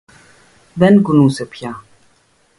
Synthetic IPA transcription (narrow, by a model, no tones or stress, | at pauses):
ʋɛnɡʊnũːsepʰjaː